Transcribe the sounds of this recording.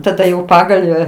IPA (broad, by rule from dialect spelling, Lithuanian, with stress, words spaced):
tɐˈdɐ jɛʊ ˈpɑːɡɐlʲʋʲæː